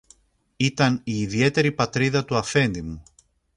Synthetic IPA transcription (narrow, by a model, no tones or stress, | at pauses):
it̪ɐniːðie̞t̪e̞ɾipɐt̪ɾiðɐt̪uɐfe̞nd̪imu